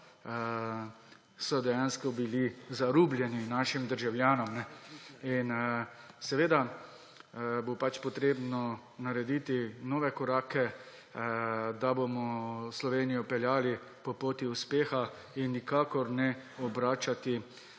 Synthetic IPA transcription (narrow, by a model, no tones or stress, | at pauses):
sɔd̪ɛjanskɔbilizaɾuːblʲjɛninaːʃimd̪əɾʒawljaːnɔmnɛin | sɛʋeːd̪a | bopat͡ʃpɔt̪ɾeːbnɔ | naɾɛd̪it̪inɔːʋɛkɔɾaːkɛ | d̪abomɔslɔʋeːnijɔpɛljaːli | pɔpoːt̪iuspeːxa | inːikaːkɔɾnɛɔbɾaːt͡ʃat̪i